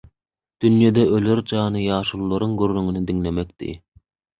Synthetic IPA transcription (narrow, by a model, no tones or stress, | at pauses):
d̪̥ynjed̪eʔøløɾd͡ʒɑːnɯjɑːʃulˠulːˠɑɾuŋɡøɾːyŋynid̪iŋle̞mekd̪̥ḭ